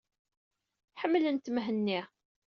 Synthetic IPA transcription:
ħəmːlənt̪məɦənːi

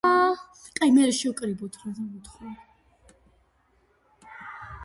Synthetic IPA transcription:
kʼajmɛɾɛʃɛɔkʼɾibɔt̪ʰɾazamut̪ʰχa

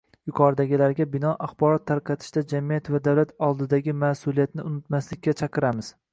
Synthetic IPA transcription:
jʊqʰɒɾd̪aɡʲɪlaɾɡʲabɪnɒʔaχbɒɾɒt̪ʰːaɾqɑt̪ʰɪ̥ʃd̪ad͡ʒamijat̪vad̪awlat̪ʰɒlˠd̪ɪd̪aɡʲɪmasʊlˠijat̪nɪʊnɪt̪maslɪkʲːat͡ʃʰɑqʰɨɾamɪz̥

